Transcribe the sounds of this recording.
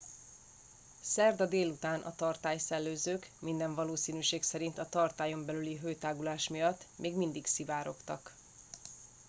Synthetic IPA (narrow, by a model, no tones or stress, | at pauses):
sɛrd̪ɒd̪eːlut̪aːnʔɒ̰t̪ɒrt̪aːjsɛlːøːzøːkmind̪ɛɱvɒloːsiːnyʃeːksɛɾint̪ɒt̪ɒrt̪aːjo̞mbɛlyliɦøːjt̪aːɡulaːʃmijɒt̪ːmeːɡmind̪iksivaːɾo̞kt̪ɒk